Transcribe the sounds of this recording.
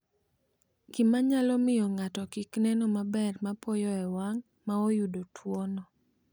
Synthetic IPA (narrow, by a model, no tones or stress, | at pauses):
ɡ̥imaɲalɔmɪjɔŋatɔkiknɛnɔmabɛrmapɔjɔɛwaŋ | maojudotʰwonɔ